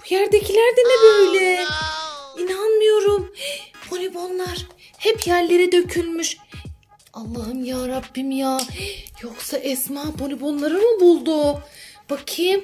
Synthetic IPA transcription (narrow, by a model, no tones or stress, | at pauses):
b̥ujæɾd̪ecʰilʲæɾd̪ɛnɛbøøjlʲɛ | inanmɯjo̞ɾumpʰo̞lʲibo̞nlˠaɾ̥ | hɛpjæɾlʲe̞ɾid̪ø̞cʰylʲmyʃ | alˠːaɦɯmjaːɾabːimjaːjoksaʔɛsmaːpʰo̞lʲibo̞nlˠaɾɯmɯbulˠd̪ub̥akʰɯm